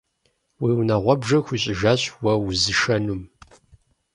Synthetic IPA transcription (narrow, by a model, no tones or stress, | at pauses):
wiːwnaʁʷɔbʒɐxʷiɕʼɪʒaːɕwɐwʊzɨʃɐnum